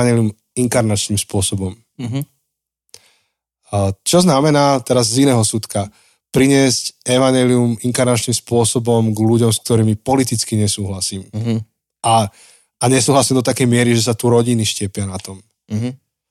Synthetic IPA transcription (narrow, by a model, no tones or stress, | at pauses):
aɲɛlium | iŋkaɾnat͡ʃniːmspʊɔsɔbɔm | t͡ʃɔznamɛnaːt̪ɛɾazzinɛːɦɔsut̪ka | pɾiɲɪɛscɛʋaɲɛliumiŋkaɾnat͡ʃniːmspʊɔsɔbɔmɡluɟɔmsk̚t̪ɔɾiːmipɔlit̪it͡skiɲɛsuːɦlasiːm | ʔaː | ɲɛsuːɦlasiːmd̪ɔt̪akɛjmɪɛɾiʒɛs̬at̪uɾɔɟiniʃcɛpɪanat̪ɔm